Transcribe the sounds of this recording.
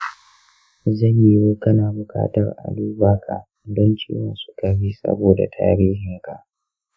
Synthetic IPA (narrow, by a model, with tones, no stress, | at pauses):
zɐ˦˨ɲji˦woː˦kɐ˦naː˨bʊ˨ka̰ː˦tɐ̰˨rʔa̰˨luː˦ba˦kʰa̰˨ | dɔ˦nt͡ʃḭː˦wɔ˦nsʊ̥˦ka˨ɸiː˦sɐ̰˦boː˨da̰˨tʰa̰ː˦ɾiː˦ɦɪ˨ŋka˨ʔ